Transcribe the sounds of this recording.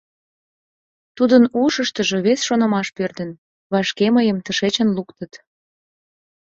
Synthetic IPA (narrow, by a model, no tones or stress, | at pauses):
t̪ud̪ənuʃəʃt̪əʒoβesʃonə̆mɑʃpørd̪ən | βɑʃkeməjəmt̪əʃet͡ɕənlukt̪ət̪